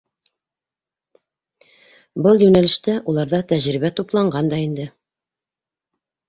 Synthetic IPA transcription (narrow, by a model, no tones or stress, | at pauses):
bɤlˠjʉnælɘ̆ʃt̪æʔulˠɑɾðɑt̪æʑɾiβæt̪uplˠɑɴɢɑnd̪ɑind̪ɘ